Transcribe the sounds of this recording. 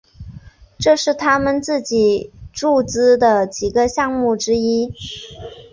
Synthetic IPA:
ʈ͡ʂɤ˥˧ʂɻ̩˥˩t̪ʰa˥mə˨nt͡sɹ̩˥˩t͡ɕi˨˩˦ʈ͡ʂu˥˩t͡sɹ̩˥˩d̪ə˨t͡ɕi˨˩ɡə˧ɕjɑ˥˧ŋmu˥˩ʈ͡ʂɻ̩˥i˥

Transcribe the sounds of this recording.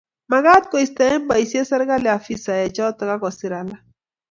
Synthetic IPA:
ma˨ɡa˦t̪̚kɔ˨i˨st̪a˨˦ɛ˦m˦ba˨i˨sje˦sɛ˦ɾɡa˦lɛ˨a˨fi˦sa˨jɛ˨t͡ʃɔ˦t̪ɔ˨ka˦kɔ˨sɪ˨ɾa˨la˦

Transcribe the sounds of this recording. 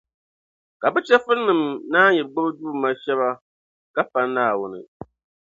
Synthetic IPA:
ka˨bɛ˦t͡ʃɛ˦fɨ˦ɾnɨ˨mnaː˦jɛ˨bɡ͡bʊ˦bduː˦˨ma˦ʃɛ˦βa˦ | ka˦pa˦nːaː˦˨wʊ˦nɨ̰˨

